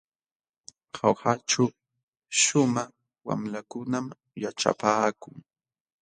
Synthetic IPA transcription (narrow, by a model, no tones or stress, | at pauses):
hawhat͡ʃa | ʃʊmaχ | wa̰mlakʊnam | jaʈ͡ʂa̰paːkʊŋ